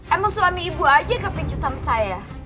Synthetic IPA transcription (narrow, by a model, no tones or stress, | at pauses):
ʔɛmɔŋsumamiːbuad͡ʒakapiɲt͡ʃut̪amasaja